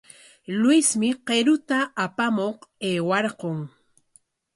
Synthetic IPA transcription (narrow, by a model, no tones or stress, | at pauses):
lwɪsmɪqeɾʊt̪aːpamoqeːwaɾqoŋ